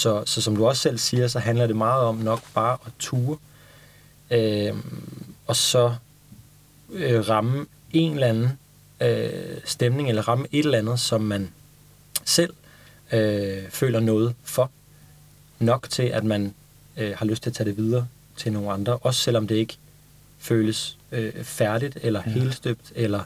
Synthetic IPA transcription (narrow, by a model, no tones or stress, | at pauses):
sɒ̽sɒ̽sɒ̽md̥uɒ̽ssel̰siːɐsɒ̽ɦænlɐɾ̥e̝mɑ̈ːð̞̩ˠɒ̽mnɒ̽ɡ̥b̥ɑ̈ːʔɒ̽t͡sʰuːɐ | ø | ɒ̽sɒ̽ | øʁɑ̈mə | e̝nlænn̩ | øsd̥emne̝ŋelɐʁɑ̈məʔe̝d̥ɾ̥elænð̞̩ˠsɒ̽mːæn | sel̰ | øfø̰ːlɐnɔ̽ːð̞̩ˠfɒ̽ | nɒ̽ɡ̥t͡sʰe̝lʔæd̥mæn | hɑ̈løsd̥t͡sʰe̝æt͡sʰɛ̰ːd̥e̝ʋið̞ˠɐː | t͡sʰe̝lno̝ːn̩ɑ̈nd̥ʁɐʔɒ̽sə̥sel̰ɒ̽md̥e̝e̝ɡ̥ə | føːləsøfæɐɾid̥elɐhe̝̰ːlsd̥øb̥̚d̥elɐ